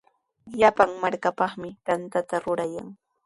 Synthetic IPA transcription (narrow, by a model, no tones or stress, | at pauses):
ʎapaŋmaɾkapɑχmɪt̪ant̪at̪aɾʊɾajaŋ